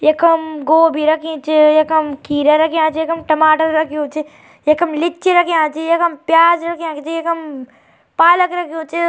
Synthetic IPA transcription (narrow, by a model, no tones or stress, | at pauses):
jekɐmɡoːbʱiɾɐkʰĩːt͡ʃejekɐmkiːɾɐɾɐkʰiãːt͡ʃijekɐmʈɐmaːʈəɾɾɐkʰioːt͡ʃi | jekɐmlɪt͡ʃiɾɐkʰiãːt͡ʃijekɐmpjaːd͡ʒɾɐkʰiãːkt͡ʃijekɐm | paːləkɾɐkʰioːt͡ʃe